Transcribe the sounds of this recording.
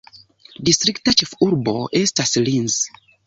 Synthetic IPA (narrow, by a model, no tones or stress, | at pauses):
distɾiktat͡ʃefuɾboʔestaslinz